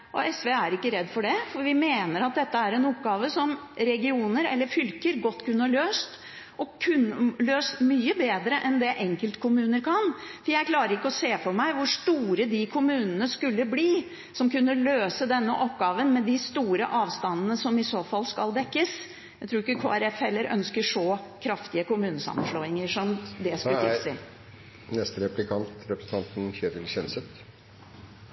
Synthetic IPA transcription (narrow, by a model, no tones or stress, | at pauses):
ʔɔɛsʋeːæɾɪkːəɾɛd̪ːfɔɖɛfɔɾʋɪmeːnəɾɑt̪̚d̪ɛt̪ːəæɾɛnɔpɡɑːʋəsɔmɾɛɡɪuːnəɾɛ̰lːəɾfʏlkəɾɡɔt̪ːkʰʉnːəɭøːst̪ | ʔɔkʰʉnløːsmyːəbeːd̪ɾəʔɛnd̪ɛʔɛŋkəlt̪kʰʊmʉːnəɾkʰɑnfɾjæɪkʰlɑːɾəɾɪkːəɔseːfɔɾmæɪʋʊʂt̪uːɾəd̪ɪkʰʊmʉːnənəskʉlːəbliː | sɔmkʉnːəløːsəd̪ɛnːəʔɔp̚ɡɑːʋənmɛd̪ɪst̪uːɾəʔɑːʋst̪ɑnːənəsɔmɪsoːfɑlːskɑld̪ɛkːəs | jæɪt̪ʰɾuːɾɪkːəkʰoːæɾɛfɛlːəɾœ̰nskəʂoːkʰɾɑft̪ɪəkʊmʉːnəsɑ̰mːənʂloːɪŋəʂɔmd̪ɛskʉɪsɪ | nɛst̪əɾɛplɪkʰɑnt̪ɾɛpɾəsn̩t̪ɑnt̪n̩çeːd̪ɪlɕɛnsət̪